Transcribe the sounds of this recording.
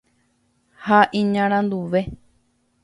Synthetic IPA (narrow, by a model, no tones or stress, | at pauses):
haʔĩɲãɾ̃ãnd̪uʋe̞